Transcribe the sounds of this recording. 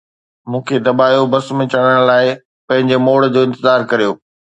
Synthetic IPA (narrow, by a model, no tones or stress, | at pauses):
mũːkʰed̪ɐbaːjobɐsmẽt͡ɕɐɽ̃əɽ̃laːɪ | pɐ̃ɦɪ̃ɲd͡ʑemoːɽd͡ʑoːɪ̃nt̪ɪzaːɾkɐɾijoː